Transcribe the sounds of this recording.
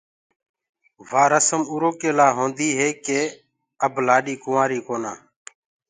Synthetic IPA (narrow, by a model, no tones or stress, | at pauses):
ʋaːɾəsəmuːɾoːkeːlaːɦõːnd̪iːɦeːkeː | əblaːɗiːkʊʋãːɾiːkoːna̰ː